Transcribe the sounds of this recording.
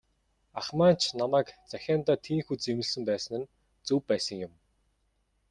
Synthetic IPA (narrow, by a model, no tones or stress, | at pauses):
aχmaːnt͡ɕʰnamæːkt͡sæxʲaːnt̪aːt̪ʰiːŋxut͡semɘ̆ɮsɘ̆mpæːsə̆nɘ̆n | t͡suːpːæːsə̆ŋjʊm